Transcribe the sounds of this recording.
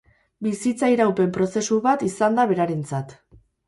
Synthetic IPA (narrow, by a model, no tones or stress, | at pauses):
bisit͡saiɾawpe̞mpɾo̞se̞suβat̪isand̪aβ̞e̞ɾaɾe̞nt͡sat̪